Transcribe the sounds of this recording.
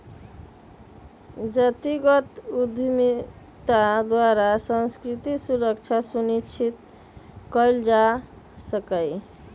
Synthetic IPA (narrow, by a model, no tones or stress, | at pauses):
d͡ʒət̪iɡət̪ud̪ʱmi | t̪ad̪waɾasə̃nskɾit̪isuɾəkt͡ʃʰasunit͡ʃʰit̪ | kəjld͡ʒa | səkəj